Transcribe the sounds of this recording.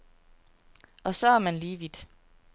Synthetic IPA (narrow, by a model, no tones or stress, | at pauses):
ʔɒ̽sɒ̽æɐmænliːʋid̥